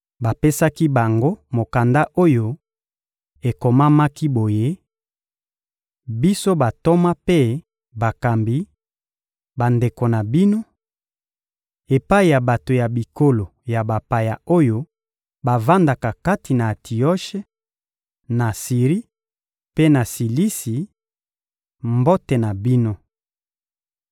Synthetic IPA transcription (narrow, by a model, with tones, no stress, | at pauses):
ba˨pe˦sa˦ki˦ba˨ŋɡo˦mo˨ka˨nda˦ʔo˦jo˦ | e˨ko˨ma˦ma˦ki˦bo˨je˦ | bi˦so˦ba˨to˦ma˦pe˦ | ba˨ka˨mbi˨˦ | ba˨nde˨ko˨na˨bi˦no˦ | e˨pa˦i˨ja˨ba˨to˨ja˨bi˨ko˦lo˨ja˨ba˨pa˨ja˨o˦jo˦ | ba˨va˦nda˨ka˨ka˦ti˨na˨tʰi˨ɔ˦ʃe˦ | na˨si˨ʁi˦ | pe˦na˨si˨li˦si˨ | mbo˦tɛ˨na˨bi˦no˦